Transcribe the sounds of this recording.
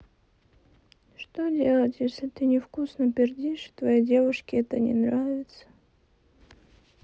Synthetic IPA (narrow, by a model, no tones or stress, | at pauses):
ʂt̪odʲelˠətʲjesʲlʲɪt̪ɨnʲɪfkusnəpʲɪrdʲiʂt̪vɐjidʲe̞vʊʂkʲɪɛt̪ənʲɪ̰nɾavʲɪt̪sə̥